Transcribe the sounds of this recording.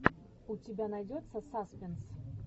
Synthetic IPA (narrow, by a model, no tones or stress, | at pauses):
ʊtʲɪbʲanɐjdʲot̪səsaspʲɪns